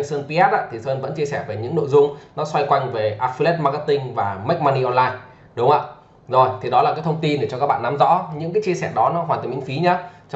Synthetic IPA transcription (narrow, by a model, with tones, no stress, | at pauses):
səː˧npi˧ʔɛ˦˥t̚ʔa̰ː˧˥t̪ʰi˨˩səː˧nvə̰˧˥nt͡ɕi˧əsɛ˧˩vəː˧˨˩ɲɨ̰˧˥ŋno̰˧˨jzʊ˧ŋ͡mnɔ˨˦swa˧jkwa˧jŋve˨˩ʔaː˧fi˧lɛ˦˥t̚ma˧ka˦˧˥t̪ï˧ŋvaː˨˩ma˦˥k̚ma˧ni˧ʔɔ˧nlaː˧j | ɗʊ˨˦ŋ͡mhə̰ː˧˨ | zo˨˩jt̪ʰi˨˩ɗɔ˨˦laː˨˩kaː˨˦jt̪ʰə˧wŋ͡mt̪i˧nɗe˧˩t͡ɕɔ˧ka˦˥k̚ɓa̰ː˧˨na˨˦mzɔ̰˧˥ɲɨ̰˧˥ŋk̬aː˨˦jt͡ɕi˧əsɛ̰˧˩ɗɔ˨˦nɔ˨˦ɦwaː˨˩t̪əː˨˩mḭ˧˥˦ŋfi˨˦ɲaː˨˦t͡ɕ